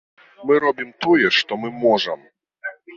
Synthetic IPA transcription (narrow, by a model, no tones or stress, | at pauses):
mɨɾɔbʲimt̪ɔjɛʂt̪ɔmɨmɔʐɛm